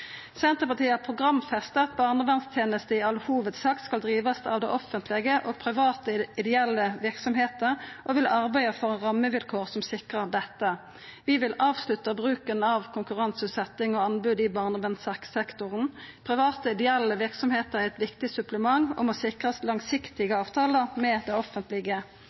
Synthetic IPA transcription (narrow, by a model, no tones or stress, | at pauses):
sɛnt̪əpɑt̪ʰiːəpʰʁʊɡʁɑmfɛst̪ət̪bɑːʁnəʋɛnst̪ʰjeːnəst̪əɪɑlhuːʋət̪sɑːkt̪skɑld̪ʁiːʋɑst̪ɑ̰ːʋd̪ɛʔɔfːənt̪ʰlɪɡəʔoɔːɡpʰʁɪʋɑːt̪əɪd̪ɛɛlːəʋɪʁksɔmheːt̪əʁʔɔʋɪlʔɑʁbæɪəfɔʁɛnʁɑmːəʋɪlkʰoːʁsɔmsɪkʁəʁd̪ɛt̪ːə | ʋɪʋɪlɑːʋslʉt̪əbʁʉːkənɑʋkʰʊŋkʉʁɑnsʉːt̪sɛt̪ːɪŋɔɑnbʉːd̪ɪbɑʁnəʋɛnsɑksɛkt̪ʊʁənpʰʁɪʋɑːt̪əɪd̪ɛɛlːəʋɪʁksɔmheːt̪əʁɛt̪ʋɪkt̪ɪsʉpləmɑŋɔ̰mɔsɪkʁɑslɑŋsɪkt̪ɪɡəɑːʋt̪ʰɑːləmɛd̪ɛɪɔfənt̪lɪɡə